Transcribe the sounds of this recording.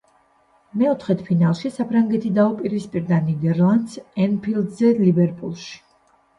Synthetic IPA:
mɛɔt̪ʰχɛt̪ʰpʰinalˠʃisapʰɾaŋɡɛt̪ʰid̪aupʼiɾispʼiɾd̪anid̪ɛɾlˠand̪sɛnpʰild̪zɛlibɛɾpʼulˠʃi̥

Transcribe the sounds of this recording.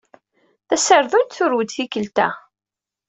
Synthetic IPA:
θæsəɾðunt̪θʊɾwəd̪θikəlt̪æ̰

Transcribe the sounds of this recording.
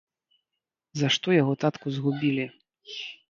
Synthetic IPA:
zaʂt̪ɔjaɣɔt̪at̪kuzɣubʲilʲi

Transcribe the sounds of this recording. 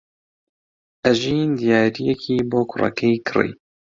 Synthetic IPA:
ʔæʒiːnd̪ijaːɾijɛkʰiːboːkʰʊrɐ̰kʰejkʰɨrḭj

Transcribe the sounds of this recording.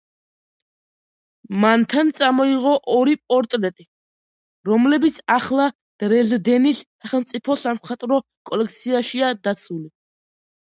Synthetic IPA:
mant̪ʰant̪sʼamɔiʁɔʔɔɾipʼɔɾt̪ʼɾɛt̪ʼi | ɾɔmlɛbit̪sʰaχlˠa | d̪̥ɾɛzd̪ɛnisːaχɛlˠmt̪sʼipʰɔsamχat̪ʼɾɔ | kʼɔlɛk̚ʰt̪sʰiaʃiad̪at̪sʰuli

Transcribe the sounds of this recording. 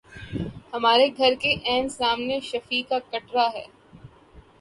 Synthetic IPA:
hɐmaːɾeɡʱɐɾkeʔɛːmsaːmneʃɐfikakɐʈɾaɦɛ̰ː

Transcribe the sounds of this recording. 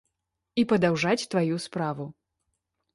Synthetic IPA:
ipɐd̪awʐat͡sʲt̪vajuspɾavu

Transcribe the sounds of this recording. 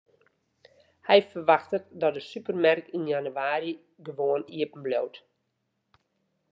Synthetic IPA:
hɛjfərʋaxtətdɔt̚dəsypərmarkinjanyaːɾi | ɡəʋoəniəpn̩blowt

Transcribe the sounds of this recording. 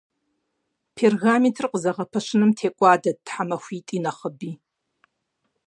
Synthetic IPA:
pʰerɣaːmitʰrqəzɐʁɐpʰɐʃɪnɨmtʰeːkʷʼaːdɐd̚tħamɐxʷiːtʼiːnɐχəbiː

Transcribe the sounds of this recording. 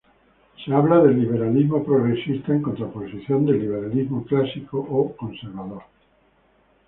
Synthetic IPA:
seaβlaðelːiβ̞eɾalizmopɾoɣɾesist̪aeŋkont̪ɾaposiθjond̪elːiβ̞eɾalizmoklasikoʔːkonseɾβaðoɾ

